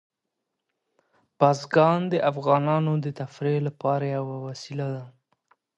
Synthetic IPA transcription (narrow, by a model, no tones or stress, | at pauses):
b̥ɑzɡɑnd̪əʔafɣɑnɑnod̪ət̪afɾelapɑɾajawawasilad̪a